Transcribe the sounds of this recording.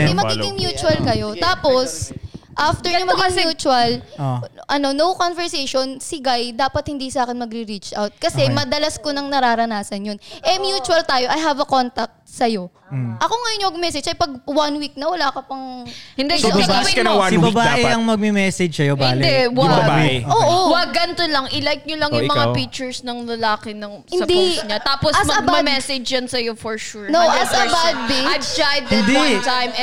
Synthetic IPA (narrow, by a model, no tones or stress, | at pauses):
ɐjmɐɡiɡɪŋmjuːt͡ʃʊɐlkɐjo̞t̪aːpo̞sʔaft̪ɛɹnomɐɡɪŋmjuːt͡ʃuɐloʔɐno̞nowkonvɛɹsejʃonsɪɡajd̪aːpɐt̪̚hɪnd̪iːsɐʔaːkɛnmɐɡɾɪɾit͡ʃʔawt̪̚kɐsɛmɐd̪ɐlɐskonɐŋnɐɾaːɾɐnaːsɐnjonʔɛmjuːt͡ʃuɐlt̪aːjo̞ʔɐjɦɐvɐkont̪ɐk̚t̪̚sɐjo̞ | ʔɐkoŋɐjonːjoɐɡmɛsɛd͡ʒɐjpɐɡ̚wɐnwik̚nɐwɐlaːkɐpɐŋhɪnd̪ɛbwɐɐɪbɐbaʔɛɐŋmɐɡ̚mɛmɛsɛd͡ʒsɐjobaɪnːlɪd̪ɛwbɐbaɛʔoːʔowɐɡɐnt̪olɐŋʔɪlajt̪̚ɲolɐŋjʊmɐŋapik̚t͡ʃɛɹsnɐŋlɐlaːkɛnɐŋsɪnɐd̪isɲat̪aːposɐsmɐɐɡ̚amɐmɛsɛd͡ʒd͡ʒɐnsɐjofɔɹʃuɹnoʔɐsɐbat̪̚bijd͡ʒajd̪ɐtnd̪it̪ajm